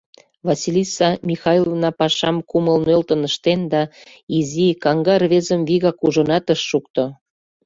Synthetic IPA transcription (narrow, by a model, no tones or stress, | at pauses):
vɑsilʲisɑmʲixɑjlˠovnɑpɑʃɑmkuməlnølt̪ə̆nəʃt̪end̪ɑ | izikɑŋɡɑrβezəmviɣɑkuʒonɑt̪əʃːukt̪o